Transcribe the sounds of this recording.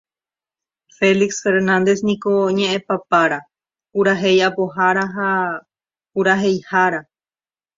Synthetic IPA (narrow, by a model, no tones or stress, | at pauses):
fe̞liksfe̞ɾnãnd̪e̞snĩko̞ɲẽ̞ʔẽpapaɾa | puɾaɦe̞japoɦaɾaɦa | puɾaɦe̞jhaɾa